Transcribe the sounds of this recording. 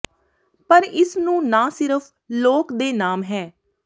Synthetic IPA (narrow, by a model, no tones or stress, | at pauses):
pəɾɪsnũːnãːsɪɾəpʰ | loːkd̪eːnaːmɦɛː